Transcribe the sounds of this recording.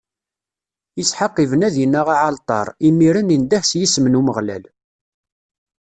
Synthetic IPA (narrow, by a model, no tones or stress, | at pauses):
jət͡sːħaqːivənæðjənːaʁaʕalt̪ˤɑ̰ɾˤimːiɾənind̪æħsjisəmənuməʁlæ̰l